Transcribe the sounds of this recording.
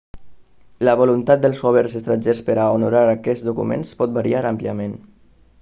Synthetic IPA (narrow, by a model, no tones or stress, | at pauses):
ləβulunt̪at̪̚d̪əlˠzɣoβəɾzəst̪ɾanʲd͡ʒespəɾaunuɾaɾəkɛzd̪ukṵmḛnspɔt̪̚baɾiaɾampliəmen